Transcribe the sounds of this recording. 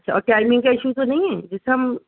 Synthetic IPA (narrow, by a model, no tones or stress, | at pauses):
ɐtːʃʰa̰ɔːɾʈaːɪmɪ̃ŋɡkaɪʃut̪onɐɦĩɦɛːd͡ʒɪseɦɐm